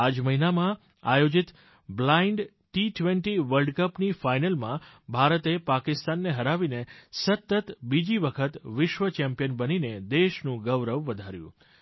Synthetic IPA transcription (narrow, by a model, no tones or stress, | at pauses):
ad͡ʒməɦinamã | a̰jod͡ʒit̪ | blaiɳɖ | ʈiʈʋeɳʈiʋəlɖkəpnifainəlmã̰bʱaɾət̪epakɪst̪anːeɦəɾaʋinesət̪ːət̪bid͡ʒiʋəkʰət̪ʋɪʃʋət͡ʃɛmpijənbənined̪eʃnũɡəʋɾəʋːəd̪ʱaɾjṵ̃